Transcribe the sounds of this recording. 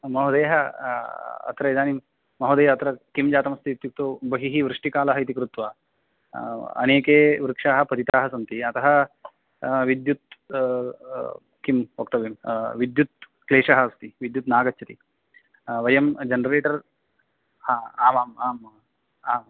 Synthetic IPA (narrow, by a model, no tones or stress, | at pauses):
mɐɦud̪eːɦɐ | ɐ̰t̪ɾɐed̪aːni | mɐɦud̪eːɐt̪ɾɐkimd͡ʒaːt̪ɐmɐst̪iːt̪juk̚t̪oːbɐɦiɦiʋɾɨʂʈikaːlɐɦɐjt̪̬ikɾut̪ʋɐ | ɐ̰neːkeːʋɾkʂaːɦɐpɐd̪it̪aːɦɐsɐnt̪iɐt̪ɐɦɐ | ʋid̪jut̪̚ | kimok̚t̪ɐʋimʋid̪jut̪̚ | kleːʂaɦɐst̪iʋid̪jut̪naːɡɐt͡ʃːt͡ʃɐt̪i | ʋɐjɐmd͡ʒɐnɾeːʈɐɾ | haːaːmaːmaːm | aːm